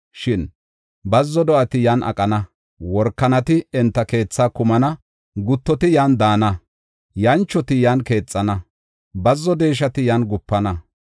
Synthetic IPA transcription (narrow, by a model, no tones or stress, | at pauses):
ʃɪn | bɐzːɔd̪ɔʔɐt̪ɪjaːnʔɐ̰kʼɐnɐ | wɔɾkːɐnɐt̪ɪɛnt̪ːɐke̞ːt͡sːaːkʊmɐnɐ | ɡʊt̪ːɔt̪ɪjaːnd̪aːnɐ | jɐnt͡ʃːɔt̪ɪjaːnke̞ːt͡sʼːɐnɐ | bɐzːɔd̪e̞ːʃ̬ɐt̪ɪjaːnɡʊpːɐnɐ